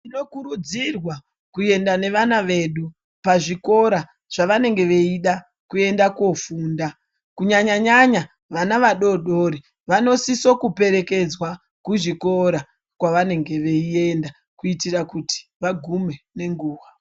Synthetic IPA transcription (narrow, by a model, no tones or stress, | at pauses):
ino̞kuɾud͡zirwa | kue̞ndane̞ʋanaʋe̞ːɗu | paʐiko̞ɾa | ʐ̥aʋane̞ŋɡe̞ʋe̞iɗa | kue̞ndakofuːnda | kuɲaɲaɲaɲa | ʋanaʋaɗo̞ɗoɾi | ʋano̞siso̞kupe̞ɾe̞ke̞d͡zwa | kuʐiko̞ɾa | kwaʋane̞ŋɡe̞ʋe̞ie̞nda | kuitirakuti̥ʋaɡʱume̞ne̞ŋɡuːʋa